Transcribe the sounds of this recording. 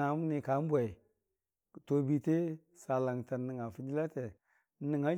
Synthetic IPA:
a˨˦m˦ni˨ka˨˦m˦bʷa˨ | to˨bi˨te˦ | sa˨la˨ŋta˨˦ni˨ŋa˨fi˨d͡ʒi˦la˦te˨˦ | ni˨ŋa˦

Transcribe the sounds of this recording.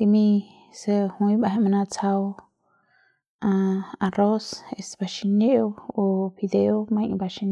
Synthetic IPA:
li˧mĩ˧ | səhũ˧ĩ˧ba˧ɦe˧ma˧na˧t͡sa˧w | aa˧ɾo˦se˧sba˧ʃi˧neʔo˦obi˧d̪eo˦ma˧jŋba˧ʃi˧n

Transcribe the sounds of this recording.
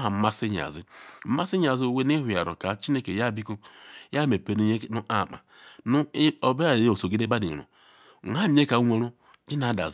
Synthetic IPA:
ɦa˨m̩˦ma˦si˦ɲa̰˨zi˦m̩˦ma˦si˦ɲ˦a˨zi˦o˦˨we˦ni˦ɦu˨ja̰˨ɾo̰˨ka˨t͡ʃi˦ne˦ke˨ja˦˨bi˦ku˦ja˦me˨pe˨nu˦ɲe˦˨nu˦ʔa˨ma̰˨ | nu˦o˨be˦a˨jo˨so˨ɡi˦de˦ba˦di˨ɾo̰˨ | a˦e˦ka˨˦ŋʷe˨ɾo˦ | d͡ʒi˦na˨˦˨da̰˨z

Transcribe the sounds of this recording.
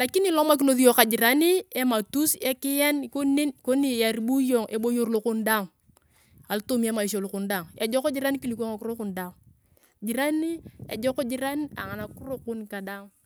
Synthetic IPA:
la˨ki˦ni˦lo˦ma˦k̬i˦no˨˦ði˦jo˨ka˨d͡ʒɪ˨ɾa˦ni˦e˦ma˨tu˦se˦kɪ˦jɛ˦nko˦ni˦nko˦ni˨ja˨ɾi˦bu˦jo˨ŋʔe˨bo˦jo˨rlʊ˨kʊ˦nda˦˨ŋ | a˨lto˦mi˦e˦ma˨i˨ʃ̬o˨lʊ˨kʊ˨nda˨ŋe˨d͡ʒɔ˦ko˦d͡ʒi˦ɾa˦n˦ki˦li˨kʷo˦ŋa˨kʊ˦ɾo˦kʊ˨nda˨ŋ | d͡ʒɪ˨ɾa˦ni˦e˨d͡ʒɔ˦ko˦d͡ʒɪ˦ɾa˦na̰˨ŋa˨na˨ku˦ro˦kʊ˦nka˨da˦ŋ

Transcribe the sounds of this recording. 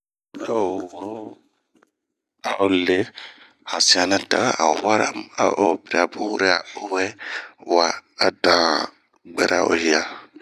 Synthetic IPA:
a˨wo˨ɾo˦ | a˨ʔo˨le˦ | a˨sĩ˨a˨nã˦ta˨ɣa˦ʔa̰˨wa˦ɾa˦˨ma̰˨ʔo˨bi˨ɾi˨a˨bu˦wu˦ɾe˦a̰˨o˨wɛ˦waː˨dã˨ | ɡ͡bɛ˨ɾʔa̰˨ʔo̰˨hi˨a˨

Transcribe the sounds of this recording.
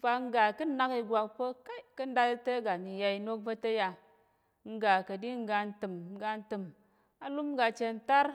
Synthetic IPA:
fa˧ŋ̩˦ɡa˨kɨ˦na˦ki˧ɡʷa˧k̚pə˦ka˦i˦kɨ˦n̩˦da˧tte˦ɡa˨ni˨ja˧i˧no˦k̚bə˦tə˦ja˧ | ŋ̩˦ɡa˨kə˨di˦ŋ̩˦ɡa˧n̩˦tɨ˨m̩˦ɡa˧n̩˦tɨ˨m | a˨lu˦m˦ɡa˧t͡ʃe˧n̩˦ta˦ɾ

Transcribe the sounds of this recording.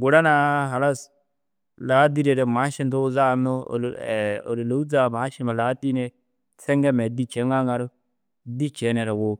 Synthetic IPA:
ɡu˨ɾa˦na˦ɦa˨la˦s | la˨˦di˦ɾe˨ɾe˨ma˨˦ʃi˦nto˦za˦˨no̰˦˨o̰˨ɾe˨lo˨˦u˦d͡za˦˨ma˨˦ʃi˦ma˨la˨˦ti˦ne˦ | t͡se˦ŋɡe˦me˨di˦t͡ʃe˨˦ŋa˦ŋa˨ɾo˦ | di˦t͡ʃe˨˦ne˨ɾa˨wo˨

